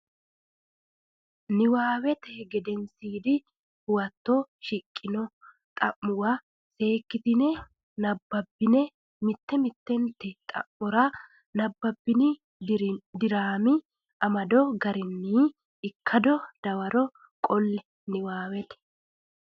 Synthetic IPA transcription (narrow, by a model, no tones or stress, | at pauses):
nɪwaːwɛt̪ɛɡɛd̪ɛnsiːd̪ɪ | hʊwɐt̪ːɔʃɪkʼːɪnɔ | t̪ʼɐmːʊwɐ | se̞ːkːɪt̪ɪnɛ | nɐbːɐbːɪnɛ | mɪt̪ːɛmɪt̪ːɛnt̪ːɛt̪ʼɐ̰mːɔɾɐ | nɐbːɐbːɪnɪ | d̪ɪɾaːmɪ | ʔɐmɐd̪ɔɡɐɾɪnːiː | ɪkʰːɐd̪ɔd̪̥ɐwɐɾɔ | kʼɔlːɛ | nɪwaːwɛt̪ɛ̥